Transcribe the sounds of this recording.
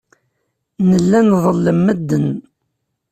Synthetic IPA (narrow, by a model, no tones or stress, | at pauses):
nəlːænðˤəlːəmːəd̪ːən